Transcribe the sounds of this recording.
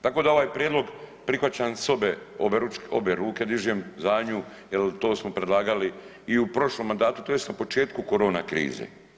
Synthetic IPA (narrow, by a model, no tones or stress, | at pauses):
t̪ako̞ːd̪ao̞ʋaːjpɾʲjed̪lˠo̞ɡpɾixʋat͡ɕansobeobeɾuo̰beɾuːke̞d̪iʒemzaːɲu | jelt̪o̞ːsmo̞pɾed̪lˠaːɡali | iupɾo̞ʃlomːand̪aːt̪ut̪oje̞st̪napo̞t͡ʃe̞ːt̪kuko̞ɾo̞ːnakɾḭːzḛ